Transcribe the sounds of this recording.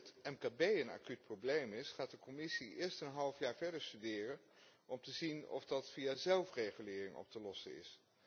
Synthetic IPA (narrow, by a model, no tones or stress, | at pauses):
ətɛmkaːbejəna̰ːkyt̚prowblejmɪsχaːt̚dəkɔmɪsiɪːɹstənɦɑlˠfjaːɹvɛɹdəɹstydɪːrən | ʔɔmtəzinɔ̰fdɑtfiazɛlˠfrejχylɪːrɪŋʔɔ̰p̚təlɔsə̰nɪ̰s